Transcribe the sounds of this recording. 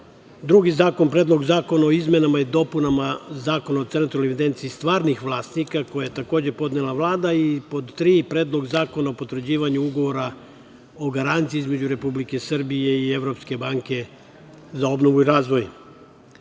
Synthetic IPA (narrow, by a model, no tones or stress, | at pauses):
d̪ɾuɡizaːko̞npɾed̪lˠo̞ɡzaːko̞naoizme̞namajid̪o̞punamazaːko̞nao̞t̪sent̪ɾoɾlnoeʋid̪e̞nt̪siist̪ʋaːɾnixʋlˠaːst̪nikako̞jajet̪ako̞ːd͡ʑe̞po̞d̪nelˠaʋlˠaːd̪aipo̞d̪t̪ɾiːpɾeːd̪lˠo̞ɡzaːko̞naopot̪ɾr̩d͡ʑiːʋaɲuuɡo̞ʋo̞ɾa | o̞ɡaɾant̪siizme̞d͡ʑuɾe̞publike̞srbije̞ieʋɾo̞pske̞baŋke̞ | zao̞bnoʋuiɾaːzʋo̞j